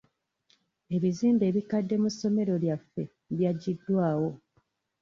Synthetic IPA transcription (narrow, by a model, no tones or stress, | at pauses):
e̞βiziːmbe̞ːβikadːe̞musːo̞me̞ɾo̞ljafːe̞ | βjaɟːidːwaːwo̞